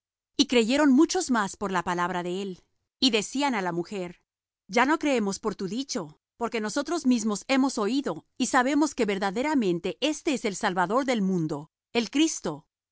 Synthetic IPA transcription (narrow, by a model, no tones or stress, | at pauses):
ikɾe̞ʝe̞ɾo̞nmut͡ʃo̞zmaspo̞ɾlapalaβ̞ɾaðe̞e̞l | iðe̞sianalamuxe̞ɾ | ɟ͡ʝano̞kɾe̞emo̞spo̞ɾt̪uðit͡ʃo̞ | po̞ɾke̞no̞so̞t̪ɾo̞zmizmo̞se̞mo̞so̞iðo̞ | isaβe̞mo̞ske̞βe̞ɾðaðe̞ɾamẽ̞nt̪e̞ʔe̞st̪e̞ese̞lsalβaðo̞ɾðe̞lmũnd̪o̞ | e̞lkɾist̪o̞